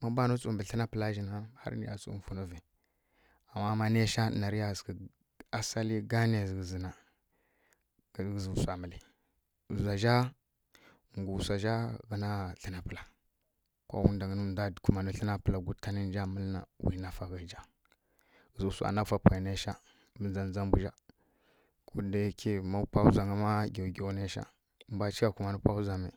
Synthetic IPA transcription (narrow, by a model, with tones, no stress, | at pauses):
ma˦ba˦nu˦t͡su˨mbə˨ɬə˦na˦pə˨la˦ʒi˦na˦ha̰˦ɾnḭ˦ja̰˨t͡sṵ˨fu˨nu˦vi˨ | a˨mːa˦ma˦ne˦ʃa˦˨na˨ɾi˦ja˦˨ski˨ | a˦sa˦li˦ɡa˦n˦e˨zɡə˨zi˨na˨ | ɡɡzu˨sʷa˨mə˨li˨ | za˨ʒa˦ | ŋ˨ɡu˨sa˨ʒa˦ɡə˦na˦ɬə˦na˨pə˨la˨ | ko̰˦wu˦nda˨ŋə˦nu˦˨da˦˨ku˨ma˨nu˦ɬə˦na˦pə˦la˨ɡu˦ta˦ni˦n˦d͡ʒa˦mə˦lna̰˨wḭ˨na˨fa˨ɣa˨d͡ʒa˦˨ | zu˨sa̰˨na˦fa˨pa˨na˦ʃa˦ | bə˨nza˨nza˦m˦bu˦d͡ʒa˦ | kʰu˦da˨˦kʰi˦ma˦pa˦u˦za˨ŋə˦ma˦ɡa˨wɡe˨wna˦ʃa̰˦ | mba˦t͡ʃi˦a˨ku˨ma˨nu˦pa˦u˦za˨ma˨